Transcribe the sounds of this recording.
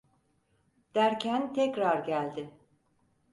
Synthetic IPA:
d̪̥æɾcʰænt̪ʰɛcɾaɾɟælʲd̪ɪ

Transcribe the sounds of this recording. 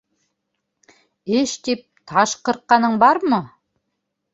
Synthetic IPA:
eʃt̪ep̚t̪ʰɑʃqɤ̆ɾqːɑnɤɴbɑɾmɤ

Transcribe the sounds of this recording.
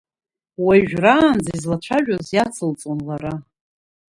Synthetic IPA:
wajʒᶣraːnd͡zaizlat͡ʃʷʰaʒᶣazjat͡sʰɨlt͡sʼonlaɾa

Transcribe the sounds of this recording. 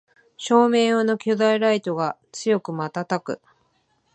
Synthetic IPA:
ɕo̞ːme̞ːjono̞kʲod̪aiɾait̪o̞ɡat͡sɨjo̞kɯ̟mat̪at̪akɯ̟̰

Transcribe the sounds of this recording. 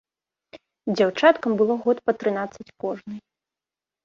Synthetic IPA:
d͡zʲawt͡ʂat̪kɐmbɨlˠɔɣɔt̪pɐt̪ɾɨnat̪sɐt͡sʲkɔʐnɨj

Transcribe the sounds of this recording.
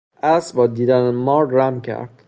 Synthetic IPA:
ʔæsbɒːd̪iːd̪ænemɒːɾɾæmcʰæ̰ɾd̪̥

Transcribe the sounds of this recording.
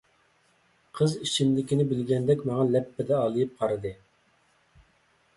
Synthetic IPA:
qʰəzit͡ʃʰimlɪkʲinɪbɪlɡʲɛnd̪ɛkʲmɑŋɑlɛpːɪd̪ɛɑlˠɨjip̚qʰɑɾɨd̪ɨ

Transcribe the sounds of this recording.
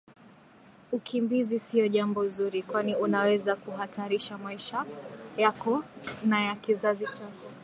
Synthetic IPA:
ukʰimbizisiɔʄambɔzuɾikwaniunawɛzakuɦatʰaɾiʃamaiʃajakɔnajakizazit͡ʃakɔ

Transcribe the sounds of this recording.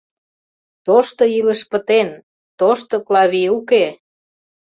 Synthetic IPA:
t̪oʃt̪oiləʃpət̪en | t̪oʃt̪oklɑβiuke

